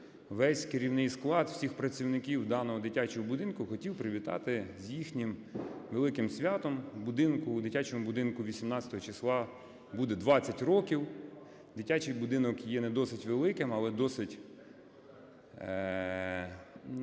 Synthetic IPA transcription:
ʋɛsʲkeɾʲiwnɪjsklˠɑd̪w̥sʲixpɾɐt͡sʲiwnɪkʲiwd̪ɑnɔɦɔd̪ɪtʲat͡ʃɔɦɔbʊd̪ɪnkʊxɔtʲiwpɾɪʋʲit̪ɑ̰t̪ɪzʲjixnʲimʋelˠɪkɪmsʲʋʲat̪ɔmbʊd̪ɪnkʊd̪ɪtʲat͡ʃomʊbʊd̪ɪnkʊʋʲisʲimnɑt͡sʲɐt̪ɔɦɔt͡ʃislˠɑ | bud̪ɛd̪ʋɑt͡sʲːɐtʲrɔkʲiw | d̪ɪtʲat͡ʃɪjbʊd̪ɪnɔkjɛnɛd̪ɔsɪtʲʋelˠɪkɪmɐlˠɛd̪ɔsɪtʲ

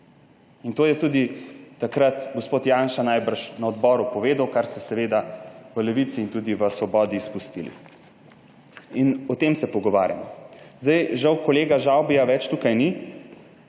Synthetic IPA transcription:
int̪oːjɛt̪ud̪it̪akɾat̪ɡospoːt̪janʃanajbəɾʃnaɔd̪bɔːɾupɔʋeːd̪awkaɾst̪ɛsɛʋeːd̪aʋəlɛʋit̪siːnt̪uːd̪iʋəsʋɔbɔːd̪iːspust̪ilḭ | inɔt̪emsɛpɔɡɔʋa̰ːɾja̰mɔzd̪ajʒawkɔleːɡaʒawbijaʋɛt͡ʃt̪uːkajni

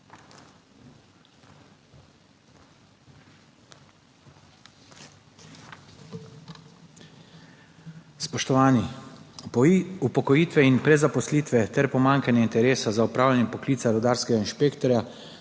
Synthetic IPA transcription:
spɔʃt̪ɔʋaːni | upɔkɔjiːt̪ʋɛinpɾɛzapɔsliːt̪ʋɛt̪ɛɾpɔmaŋkanjɛint̪ɛɾeːsazaupɾaːwlanjɛpɔkliːt̪saɾɔd̪aːɾskɛɡainʃpeːkt̪ɔɾʲja

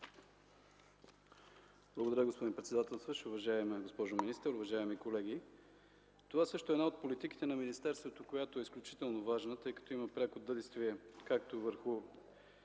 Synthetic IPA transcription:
blˠɐɡod̪ɐɾʲjəɡospod̪inpɾɛt̪sɛd̪at̪ɛlˠst̪vəʃʊvɐʒaɛmɛɡospɔʒominist̪əɾʊvɐʒaɛmikolɛɡ̟i | t̪ovasɤʃt̪oɛd̪naot̪̚polit̪iki̥t̪ɛnɐminist̪ɛɾst̪vot̪okojat̪oɛisklʲʊt͡ʃi̥t̪ɛlˠnovaʒnət̪ɤjkɐ̥t̪oimɐpɾʲakod̪ɤd̪ist̪viɛkak̚t̪ovəɾxʊ

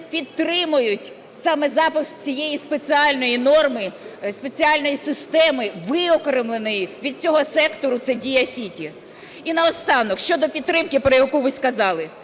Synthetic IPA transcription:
pʲid̪t̪ɾɪmʊjʊtʲ | sɑmɛzɑpɪft͡sʲijejispet͡sʲiɑlʲnɔjinɔrmɪspe̞t͡sʲiɑlʲnɔjisɪst̪ɛmɪʋɪɔkɔɾɪmlˠenɔjiʋʲid̪̚t͡sʲɔɦɔsɛkt̪ɔɾʊt̪sɛdʲijɐsʲitʲi | inɐɔst̪ɑnɔkʃt͡ʃɔd̪ɔpʲid̪̚t̪ɾɪmkɪpɾɔjɐkuʋɪsʲkɐzɑlˠɪ

